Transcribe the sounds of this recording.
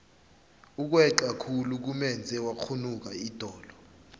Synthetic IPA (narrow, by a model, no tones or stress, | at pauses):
uk̬wɛǃakʰuluk̬umɛnd͡zʱɛwak͡xʰunuk̬aid̥ʱɔːlɔ